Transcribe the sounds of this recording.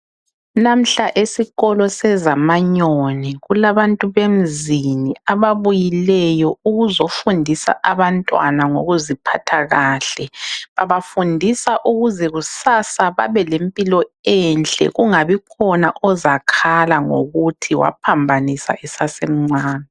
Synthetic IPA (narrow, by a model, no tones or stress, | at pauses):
nam̩ɬaʔesiɣɔlɔsɛzamaɲonɛɣulaβantʼuβem̩ziniaβaβujilɛjɔuɣuzofundʱisa̰ʔaβantʼwa̰naŋo̰ɣuzipʰatʰaɣaːɬɛβaβafundʱisaʔuɣuzɛɣusasaβa̰βɛlempʼilɔɛnt͡ɬʼɛ̰ɣuŋaβikʰɔnaʔɔzakʰalaŋo̰ɣutʰiwa̰pʰambʱanisa̰ʔɛsasem̩ŋ͡ǀaːni